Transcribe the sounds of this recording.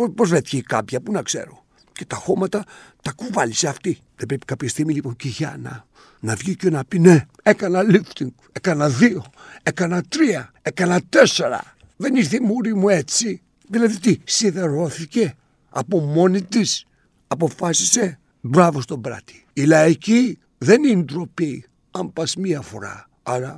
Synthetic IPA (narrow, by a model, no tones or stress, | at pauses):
opozvet̪çeika̰pçɐpunɐkse̞̰ɾo̞̰ | ce̞t̪ɐxo̞mɐt̪ɐt̪ɐkuvɐliseɐft̪i | ðebɾepi̥kapçest̪iɣmiliponciʝɐ̰nɐ̰ | nɐvʝicenɐpine | ekɐnɐlift̪iŋɡ | e̞kɐnɐðio̞e̞kɐnɐt̪ɾiɐ | e̞kɐnɐt̪e̞se̞ɾɐ̰ | ðe̞niɾθimuɾimue̞t͡si | ðilɐðit̪isiðe̞ɾo̞θice̞ | ɐ̰pomo̞nit̪is | ɐpo̞fasise̞ | bɾavo̞st̪o̞bɾa̰t̪i̥ilɐici | ðe̞nind̪ɾo̞pi | ɐmpɐsmiɐfo̞̰ɾa̰ | aɾɐ